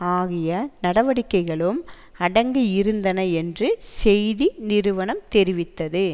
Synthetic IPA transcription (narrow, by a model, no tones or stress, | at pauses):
aːɣɪjɐnɐɽɐʋɐɽɪkːɐɪɣɐɭɯm | ɐɽɐŋɡɯɪɾɯnd̪ɐnɐɛndrɯsɛjðinɪɾɯʋɐɳɐmt̪ɛɾɪʋɪt̪ːɐðɯ